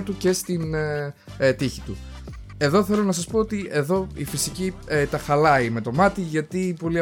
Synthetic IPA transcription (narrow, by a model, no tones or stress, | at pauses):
t̪uce̞st̪in | t̪içit̪ṵ | e̞ðo̞θe̞lo̞nɐsɐspo̞ot̪ie̞ðo̞ifisicit̪ɐxɐlɐime̞t̪o̞mɐt̪iʝɐt̪ipo̞liɐ